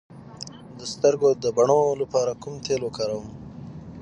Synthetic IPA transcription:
d̪əst̪əɾɡod̪əbaɳolapɑɾakumt̪ʰelwokaɾawəm

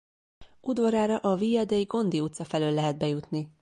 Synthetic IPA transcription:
ud̪vɒɾaːɾɒʔɒviːɛd̪ejiɡo̞nd̪iut̪sɒfɛløːlːɛɦɛd̪̚bɛjut̪ni

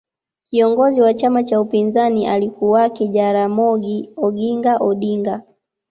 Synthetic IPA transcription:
kiɔŋɡɔziwat͡ʃamat͡ʃaupinzaniʔalikuwakɛʄaɾamɔɡiɔɡiŋɡaʔɔɗiŋɡa

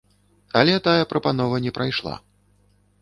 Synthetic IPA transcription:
ɐlʲɛt̪ajɐpɾɐpanɔvɐnʲɛpɾajʂlˠa̰

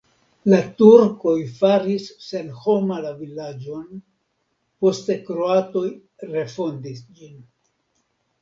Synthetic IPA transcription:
latuɾko̞jfaɾisːe̞nho̞malavilad͡ʒo̞n | po̞ste̞kɾo̞ato̞j | ɾe̞fo̞ndisd͡ʒin

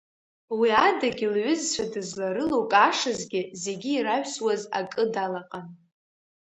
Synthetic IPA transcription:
wiadaɡʲilɥʏzt͡ɕʷʰadɨzlaɾɨlowkʼaʂɨzɡʲɪze̞ɡʲiːɾaɥʷswaza̰kʼɨdalaqʼan

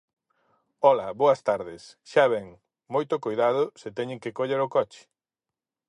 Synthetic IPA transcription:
ɔlɐβoɐst̪aɾðɪsʃaβɛŋ | mojt̪ʊkojðað̞ʊsɪt̪ɛɲɪ̃ŋkɪkoʎeɾʊkɔt͡ʃɪ̥

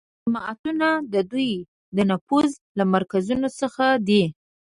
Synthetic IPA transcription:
amɑa̰t̪unad̪əd̪uj | d̪ənafuz | lamaɾkazunosəxad̪i

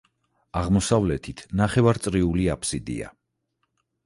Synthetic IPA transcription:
aʁmɔsavlɛt̪ʰit̪ʰnaχɛvaɾt̪sʼɾiuliapʰsid̪ḭa̰

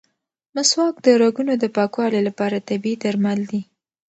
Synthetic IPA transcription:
maswɑk̚d̪əɾaɡunod̪əpɑkwɑlelapɑɾat̪abiid̪aɾmald̪i

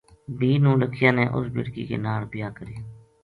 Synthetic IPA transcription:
biːnũːləkʰɪjaːneːʔʊ̰sbɪ̰ɽkḭːkḛːnaːɽpɪjaːkəɾiː

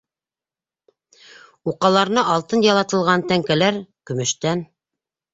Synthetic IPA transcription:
uqɑlˠɑɾnɤʔɑlˠt̪ɤnjɑlˠɑt̪ɤ̆lˠʁɑnt̪æŋkælæɾkɵ̆mɵ̆ʃt̪æn

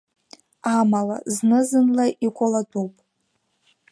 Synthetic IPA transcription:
amala̰znɨzɨnlaʔikʷʼalatʼupʼ

